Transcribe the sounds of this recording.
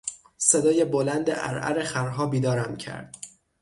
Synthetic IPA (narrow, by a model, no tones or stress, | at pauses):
sed̪ɒːje̞bolænd̪ḛʔæ̰ɾæ̰ɾeχæɾɦɒːbiːd̪ɒːɾæmcʰæ̰ɾd̪̥